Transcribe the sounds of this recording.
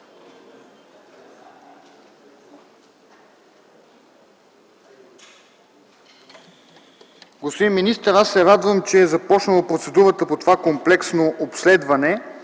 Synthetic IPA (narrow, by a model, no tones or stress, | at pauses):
ɡospod̪imːinist̪əɾasːɛɾad̪vəmt͡ʃɛːzɐpɔt͡ʃnəlˠəpɾot̪sɛd̪uɾət̪əpot̪ovakomplɛksnoʔopslɛd̪vɐnɛ